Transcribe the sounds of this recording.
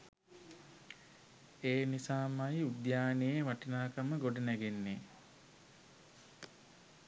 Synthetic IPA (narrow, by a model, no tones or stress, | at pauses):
eːnisaːmajud̪jaːnejemaʈinaːkaməɡoɖənæɡenːe